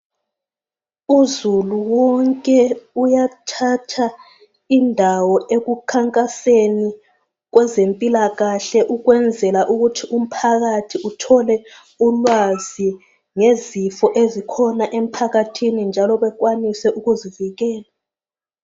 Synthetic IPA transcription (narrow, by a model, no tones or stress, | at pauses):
uzuluwɔŋkʼɛujatʰatʰa | indʱawɔeɣukʰaŋkʼaseni | ɣ̬wɛzempʼilaɣaɬɛʔuɣwɛnd͡zʱɛlaʔuɣutʰiʔum̩pʰaɣatʰiutʰɔlɛ | ulwazi | ŋezifɔʔezikʰɔnaʔem̩pʰaɣatʰinind͡ʒʱalɔβɛɣwanisɛʔuɣuziviɣɛːla